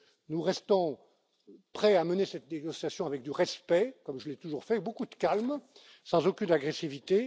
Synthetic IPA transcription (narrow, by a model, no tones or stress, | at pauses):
nuʁɛst̪ɔ̃ | pχɛamənesɛt̪neɡɔsjasjɔ̃avɛk̚d̪yʁɛspɛkɔmʒəlɛt̪uʒuʁfɛbokud̪əkalm | sɑ̃zokʲynaɡʁɛsivit̪e